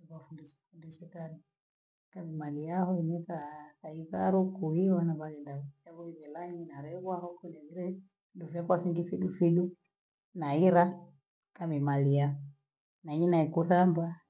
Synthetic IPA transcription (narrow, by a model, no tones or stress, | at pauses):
iβafundiʃɛ̥fundiʃɛkaɾu | kamimaliahɔinɛθakaiθaɾukuiwanaβaɣɛndaβaβɔiβɛlaɲinaɾɛβwahɔkɔnɛβiɾɛ | dufiakwafiŋɡifiɗufiɗu | naiɾa | kamimalia | naiɲinaikuθamba